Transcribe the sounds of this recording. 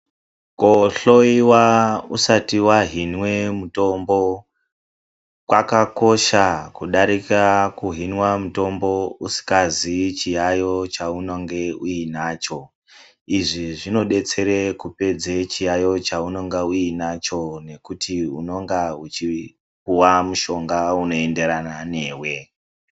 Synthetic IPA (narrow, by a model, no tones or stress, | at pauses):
koɬoiwausatiwaɦinwe̞muto̞mbo̞ | kwakako̞ʃakuɗaɾikakuɦinwamuto̞mbo̞usi̥kazit͡ʃijajo̞t͡ʃaunoŋɡe̞uinaːt͡ʃo̞ | iʐiʐino̞ɗe̞t͡se̞ɾekupe̞d͡zet͡ʃijajo̞t͡ʃauno̞ŋɡauinat͡ʃo̞ne̞kutʰiuno̞ŋɡaut͡ʃi | kuwamuʃo̞ŋɡauno̞e̞nde̞ɾanane̞ːwe̞